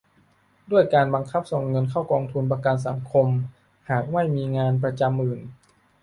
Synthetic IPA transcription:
du˥˩əjkaː˧nba˧ŋkʰa˦˥˩p̚so˨˩ŋːɤ˧nkʰa˥˩wkɔː˧ŋt̪ʰu˧npa˧ka˧ns̬a̰˩˦ŋkʰo˧m | haː˨˩k̚ma˥˩jmiː˧ŋaː˧np̬ɾa˧t͡ɕa˧mːɯː˨˩ŋ

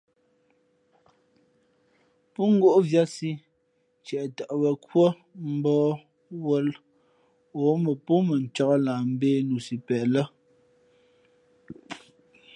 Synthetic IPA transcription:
pu˦ŋ˦ɡo˦ʔvja˦si˦ | t͡ʃɛ˨ʔta˨ʔbə˨kwə˦ | m̩˦bɔː˦ | wə˦l | o˨˦mə˨pu˦mə˨n̩˨t͡ʃɔ˦ɣə˦laː˨m̩˦beː˦nu˨si˨pɛ˨lə˦

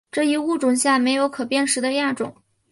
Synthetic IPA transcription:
ʈ͡ʂɤ˥˩i˧˥u˥˩ʈ͡ʂʊ˨˩ŋɕja˥˩me˧˥ɪjo˧˥ʊkʰɤ˨˩pjɛ˥˩nʂɻ̩˧˥d̪ə˧ja˥˩ʈ͡ʂʊ̰˨˩˦ŋ

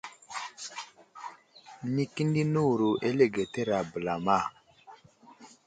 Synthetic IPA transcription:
mi˦ki˦n˦di˦nu˦˨ɾu˨ʔe˦le˦˨ɡe˨te˦ɾa˨bə˨la˨ma˦˨

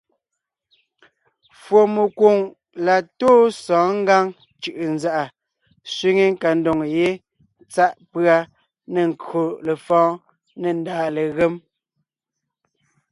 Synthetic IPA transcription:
fwo˨mu˨ko˨ŋ | la˨toː˦sɔ̃ː˨˦ŋ̩˦ɡa˦ŋ | t͡ʃɯ˨ʔɯ˨nza˦ʔa˨ | sɥi˦ŋe˦ŋ̩˦ka˨n̩˦do˨ŋje˦ | t͡sa˦ʔpɰa˦ | ne˨ŋ˨ko˨le˨fɔ̃ː˦ | ne˨n˦daː˨le˨ɣe˦m

